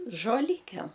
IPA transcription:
ʒoːˈlʲiːkʲɛm

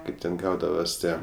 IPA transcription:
ˈkɐɪp tʲɛn ˈɡɐʊdɐʋɐs ˈtʲiɛ

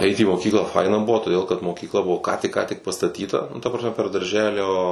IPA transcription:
ɛɪt iː moːˈkʲiːklˠɑː ˈfɐɪnɐ ˈbʊʋoː toːˈdʲeːlˠ kɐt moːkʲiːkˈlˠɐ ˈbʊʋoː kɑː tʲɪk kɑː tʲɪk pɐstɐˈtʲiːtɐ nʊ ˈtɐ prɐsʲˈmʲɛ pʲɛr dɐrʲˈʒʲæːlʲoː

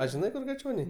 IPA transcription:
ɐ ʒʲɪˈnɐɪ ˈkʊr ɡɐˈt͡ʃʲoːnʲɛɪ

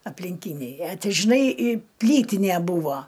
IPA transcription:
ɐpʲlʲɪŋʲˈkʲiːnʲɛɪ ɛ ˈtɐɪ ʒʲɪˈnɐɪ ɪ ˈpʲlʲiːtʲɪnʲeː ˈbuːʋoː

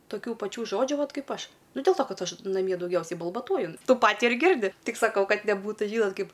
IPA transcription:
toːˈkʲuː pɐˈt͡ʃʲuː ˈʒoːd͡ʒʲuː ˈʋɐt ˈkɐɪp ˈɐʃ ˈnʊ dʲɛlˠ toː ˈkɐt ˈɐʃ nɐˈmʲiɛ dɐʊˈɡʲɛʊsʲɛɪ bɐlˠbɐˈtuɔjʊ ˈtuː ˈpɑːtʲiː ɪr ˈɡʲɪrʲdʲɪ ˈtʲɪk sɐˈkɐʊ ˈkɐt nʲɛˈbuːtuː ˈʒʲiːnoːt ˈkɐɪp

